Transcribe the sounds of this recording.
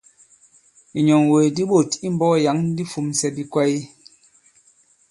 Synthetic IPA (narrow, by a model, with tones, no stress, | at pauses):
i˨ɲɔ˨ŋwe˨di˦ɓo˦˨ti˦m̩˦bɔ˦˨ja˨˦ŋ˦di˦fu˨msɛ˨bi˨kwa˦i˦